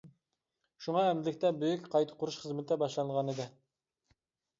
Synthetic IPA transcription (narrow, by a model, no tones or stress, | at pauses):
ʃuŋɑɛmɪlɪkʲt̪ɛbøjykʲqʰɑjt̪ʰə̥qʰʊɾuʃχəzmɪt̪ʰɛbɑʃlˠɑnəʁɑnɨd̪ɨ